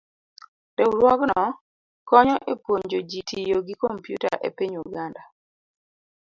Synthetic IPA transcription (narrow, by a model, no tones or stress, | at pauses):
dɛɾwɔɡnɔ | kɔɲɔʔepwoɲd͡ʒod͡ʒitʰijoɡikompjṵta̰ʔḛpiɲuɡanda